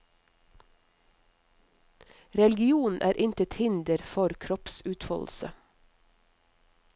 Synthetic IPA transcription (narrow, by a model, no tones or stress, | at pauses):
ɾɛlɡɪuːnn̩ʔæːɾʔɪnt̪ət̪hɪnd̪əɾfɔɾkʰɾɔpsʉːt̪fɔ̰ːll̩sə̰